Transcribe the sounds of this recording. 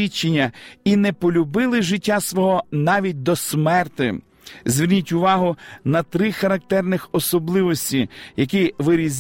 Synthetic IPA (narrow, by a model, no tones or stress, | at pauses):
it͡ʃːenʲːɐinɛpɔlʲʊbɪlˠɪʒɪtʲːasʋɔɦɔnɑʋʲit̚ʲd̪ɔsmɛrt̪ɪ | zʲʋʲirnʲitʲʊʋɑɦʊnɐt̪ɾɪxɐɾɐk̚t̪ɛrnɪxɔsɔblˠɪʋɔsʲtʲijɐk̬iʋɪɾʲizʲ